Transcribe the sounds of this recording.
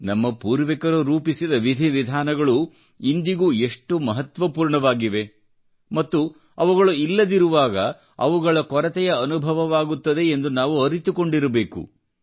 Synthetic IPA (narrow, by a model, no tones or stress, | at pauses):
nɐmːɐpuːɾʋikɐɾuɾuːpisid̪ɐʋid̪ʱiʋid̪ʱaːnɐɡɐɭu | ind̪iɡuːeʂʈumɐɦɐt̪ʋɐpuːɾɳɐʋaːɡiʋe̞ | mɐt̪ːu | ɐʋuɡɐɭuilːɐd̪iɾuʋaːɡɐ | ɐ̰ʋuɡɐɭɐkɔɾɐt̪ɛjɐɐnubʱɐʋɐʋaːɡut̪ːɐd̪e̞ːnd̪unaːʋuɐɾit̪uko̞ɳɖiɾɐbe̞ːkṵ